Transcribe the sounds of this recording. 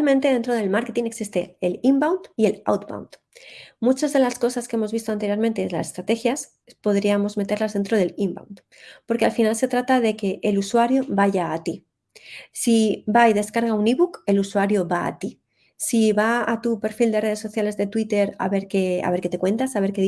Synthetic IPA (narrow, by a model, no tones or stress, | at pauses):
lment̪eðent̪ɾo̞ðe̞lmaɾke̞t̪ineksist̪e̞elimbawnt̪ie̞la̰wt̪̚pa̰wnt̪ | mut͡ʃazðe̞lasko̞saske̞e̞mo̞zβist̪o̞ant̪eɾjoɾment̪eːnla̰sest̪ɾat̪e̞xjas | po̞ðɾiamo̞zme̞t̪e̞ɾlazðe̞nt̪ɾo̞ð̞e̞limba̰wnt̪ | po̞ɾke̞alfinalse̞t̪ɾat̪aðe̞ke̞ʔːluswaɾjoβaʝaːt̪i | sibajðe̞skaɾɣ̞auniβuke̞luswaɾjo̞βa̰ːt̪i | siβaat̪upe̞ɾfild̪e̞re̞ð̞e̞sːo̞θjale̞zðe̞t̪wit̪e̞ɾa̰βe̞ɾkea̰βe̞ɾket̪e̞kwe̞nt̪asaβe̞ɾke